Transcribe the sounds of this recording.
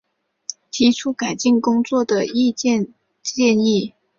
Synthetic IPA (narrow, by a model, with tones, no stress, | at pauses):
t̪ʰi˧˥ʈ͡ʂʰu˥ka˨˩ɪt͡ɕi˥˩ŋkʊ˥ŋt͡swɔ˥˩d̪ə˩i˥˧t͡ɕjɛ˥˧n | t͡ɕjɛ˥˧ni˥˩